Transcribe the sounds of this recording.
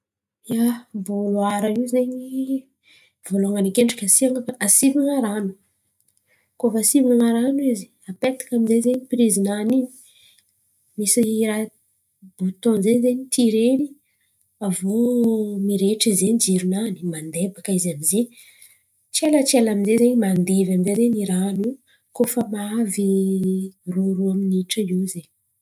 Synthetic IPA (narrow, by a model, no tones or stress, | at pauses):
jabuluaɾaiwzeɲi | voloaŋanikeɳɖ͡ʐḁkʲasiaŋaasivaŋaɾanu̥ | koafasivinaŋaɾanuizi̥ | apet̪ḁkaminzezeɲipɾizinanini̥ | misiɾa | b̥ut̪õnzezeɲit̪ʰiɾeni | avomiɾeʈ͡ʂizeɲd͡ʒiɾunani̥mand̪ebakaizamize | t͡ʃialat͡sialaminzezeɲimand̪evaminzezeniɾanu | kofəmaavi | ruɾuaminiʈ͡ʂəizeɲ